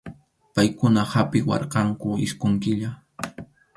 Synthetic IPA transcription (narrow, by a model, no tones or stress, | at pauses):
pajkʊnahapɪwɑ̰ɾqɑŋkʊɪskʊŋkɪʎa